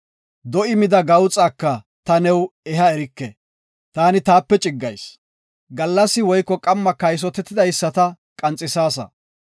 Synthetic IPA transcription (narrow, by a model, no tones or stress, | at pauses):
d̪ɔʔɪmɪd̪ɐɡɐwt͡sʼaːkːɐ | t̪ɐnɛwɛɦɐɛɾɪkːɛ̰ | t̪aːnɪt̪aːpːɛt͡ʃʼɪɡːɐjs | ɡɐlːɐsːɪwɔjkːɔkʼɐmːɐkɐjs̬ɔt̪ɛt̪ːɪd̪ɐjsːɐt̪ɐ | kʼɐnt͡sʼːɪsaːsɐ̰